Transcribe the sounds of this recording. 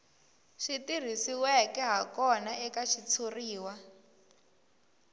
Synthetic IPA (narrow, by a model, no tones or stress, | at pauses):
ʃitir̤isiwɛkɛɦakɔnaɛkaʃit͡sʰuriːwa